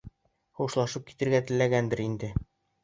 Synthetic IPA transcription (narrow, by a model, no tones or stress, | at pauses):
χuʃlˠɑʃɤp̚ki̥t̪ɘ̆ɾɡæt̪ɘ̆lːæɡænd̪ɘɾind̪ɘ